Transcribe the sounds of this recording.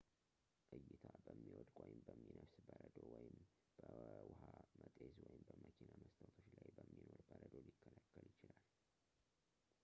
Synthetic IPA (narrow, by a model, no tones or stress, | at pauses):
kʼɨjːɪt̪ʰabəmːiwɔd̪ʼwɔjɪmbəmːinəfsbəɾəd̪owɔjɪm | b̥əwʊhamət̪ʼezwɔjɪmbəməkʰinaməst̪ʰawt̪ʰoʃlajbəmːino̞ɾbəɾəd̪olɪkːəlakːəljɪt͡ʃɪlal